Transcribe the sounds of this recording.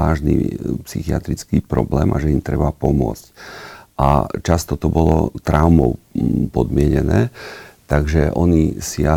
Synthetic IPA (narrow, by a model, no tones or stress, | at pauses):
aːʒnḭpsixiat̪ɾit͡skiːpɾɔ̰blɛːmʔaʒɛimt̪ɾɛbapɔmʊɔ̰t͡scʔa̰t͡ʃast̪ɔt̪ɔbɔlɔ̰t̪ɾaʊmɔʊpɔd̪mɪɛɲɛnɛːt̪aɡʒɛʔɔɲisia